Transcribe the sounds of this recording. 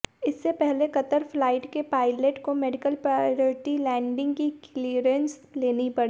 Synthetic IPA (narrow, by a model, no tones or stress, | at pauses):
ɪsːepɛɦlekɐt̪əɾflaːɪʈkepaːɪleʈkomɛːɖɪkəlpɾaɾoːɾʈilɛ̃ːɳɖɪ̃ŋɡkikliːɾə̃ns | leːnipɐɽiː